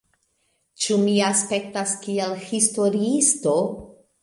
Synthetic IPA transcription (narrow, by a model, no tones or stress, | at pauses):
t͡ʃumiaspe̞ktaskielhisto̞ɾiisto̞